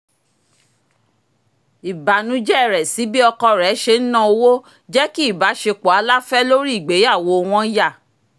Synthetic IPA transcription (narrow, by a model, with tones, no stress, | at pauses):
i˨ba˨nũ˨˦d͡ʒɛ˦˨ɾɛ˨si˨˦bi˦ɔ˧kɔ˧ɾɛ˨˦ʃe˧n̩˦nã˦o˧wo˦ | d͡ʒɛ˦ki˦i˦˨ba˨˦ʃe˧k͡po˨a˨˦la˦fɛ˦lo˦ɾi˦˨ɡ͡be˨˦ja˦˨wo˨˧w̃ɔ̃˦ja˦˨